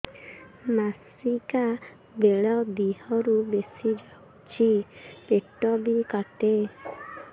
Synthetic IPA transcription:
nas | ika | beɭɔd̪ihɔɾubesid͡ʒaw | t͡ʃʰipeʈɔbikaʈe

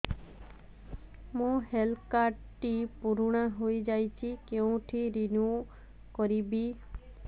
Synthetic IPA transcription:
mũɦelkaɖ | ʈipuɾuɽ̃aɦojd͡ʒajt͡ʃʰikeũʈʰiɾinju | kɔɾibi

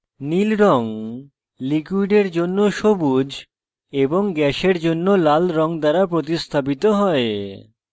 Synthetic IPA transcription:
nilɾɔŋ | likwuiɖeɾd͡ʑonːoʃobud͡ʑ | eboŋɡɛʃeɾd͡ʑonːolalɾɔŋd̪aɾapɾot̪ist̪ʰap̬it̪oɦɔe

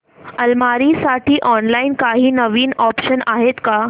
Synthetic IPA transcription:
əlmaɾisaʈʰiːʔɔnlainkaɦiːnəʋiːnɔpɕənaɦet̪ka

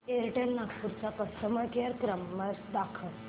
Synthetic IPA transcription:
eɾʈelnakpuɾt͡sakəst̪əməɾkəɾkɾəmːəɾd̪akʰəɭ

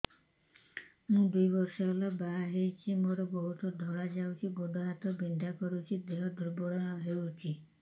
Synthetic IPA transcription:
mũd̪ujbɔɾʃalabaɦaɦejt͡ʃʰimoɾɔbɔɦut̪ɔd̪ʱɔɭad͡ʒawt͡ʃʰibɔd̪ʱɔɦat̪ɔbind̪ʱakɔɾut͡ʃʰid̪eɦɔd̪ʱɔɾbɔɽɔɦeut͡ʃʰi

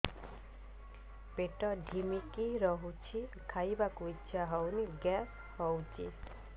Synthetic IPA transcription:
peʈɔɖʱimikiɾɔɦut͡ʃʰikʰajbakuit͡ʃʰaɦɔwniɡɛs | hɔwt͡ʃʰḭ

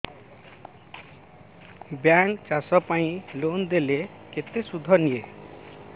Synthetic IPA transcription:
bjaŋt͡ʃasɔpaĩlond̪ele | ket̪esud̪ʱɔnie

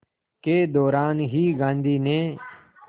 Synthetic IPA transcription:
keːd̪ɔːɾaːnɦiːɡãːnd̪ʱiːneː

